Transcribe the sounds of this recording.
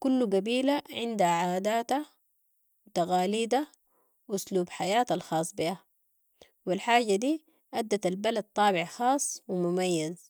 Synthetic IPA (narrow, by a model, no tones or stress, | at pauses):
kulːuɡabiːlaʕɪnd̪haʕaːd̪aːt̪a | wit̪aɣaːliːd̪a | wʔʊsluːbħajaːt̪alxɑːsˤːbiha | wilħaːɟad̪iː | ʔad̪ːat̪albalad̪̚t̪ˤːɑːbɪʕxɑːsˤwimumajːaz